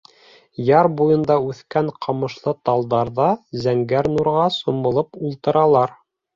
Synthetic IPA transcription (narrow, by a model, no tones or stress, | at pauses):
jɑɾbujɤ̆nd̪ɑʉθkæɴqʰɑmɤ̆ʃlˠɤt̪ɑlˠd̪ɑɾðɑzæŋɡæɾnuɾʁɑsumɤ̆lˠɤpulˠt̪ɤ̆ɾɑlˠɑɾ